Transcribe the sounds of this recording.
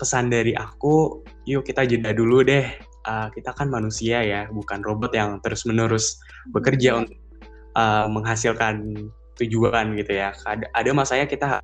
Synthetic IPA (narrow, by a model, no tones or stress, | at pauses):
pəsandaɾiʔaku | jukit̪ad͡ʒədaduludɛh | ʔəkit̪akanmanusiajabukanrobɔt̪jaŋt̪əɾʊsmənəɾʊs | bəkərd͡ʒaunt̪ʊk̚ | ʔəːməŋɦasilkan | t̪ud͡ʒuanɡit̪ujakadaʔadamasaɲakit̪a̰